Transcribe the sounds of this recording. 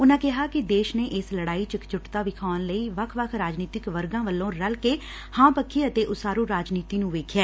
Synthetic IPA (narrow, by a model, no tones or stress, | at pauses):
ʊnãːkɪɦaːkɪd̪eːʃneːʔɪsləɽaːiːt͡ʃɪkt͡ʃʊʈt̪aːʋɪkʰaːənləiːʋəkʰʋəkʰɾaːd͡ʒniːt̪ɪkʋəɾɡãːʋəlːõːɾəlkeː | hãːpəkʰːiːət̪eːʔʊsaːɾuːɾaːd͡ʒniːt̪iːnũːʋeːkʰjaː